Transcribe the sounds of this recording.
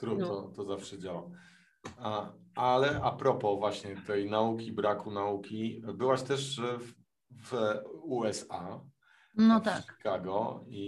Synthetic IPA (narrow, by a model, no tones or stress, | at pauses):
t̪ɾut̪ɔt̪ɔzafʂɛd͡ʑawa | alɛʔapɾɔpɔvwaɕɲɛt̪ɛjnaukʲibɾakunaukʲibɘwaɕt̪ɛʂ | vuɛsa | nɔt̪aʃɛkaɡɔi